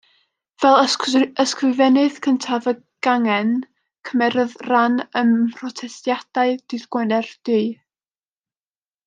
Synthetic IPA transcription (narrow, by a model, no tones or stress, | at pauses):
vɛlˠəskrɪvɛnɨð̥kʰəntʰavə | ɡ̥aŋɛn | kʰəmɛɾəðranəmpʰrɔtʰɛstjad̥aɨd̥ɨðɡ̥wɛnɛrd̥ɨɨ